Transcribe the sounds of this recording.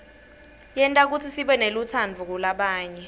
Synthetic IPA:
jɛntʼak̬ut͡sʰisiɓɛnelut͡sʰand͡vʱuk̬ulaɓaːɲɛ

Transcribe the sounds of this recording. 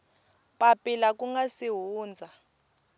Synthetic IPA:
pʼapʼilak̬ʼuŋɡasiɦuːnd͡zʱa

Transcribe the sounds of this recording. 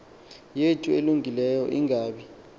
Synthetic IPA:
jetʼueluŋɡʱilɛjɔʔiŋʱaːɓi

